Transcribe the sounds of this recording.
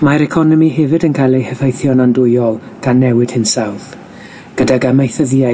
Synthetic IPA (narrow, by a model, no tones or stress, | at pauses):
maɾɛkʰɔnɔmiɦɛvɨdənkʰajlˠehəθajθjɔnandʊjɔlˠ | ɡ̥anːɛwɪd̥hɪnsawð | ɡ̥ədaɡamajθəðia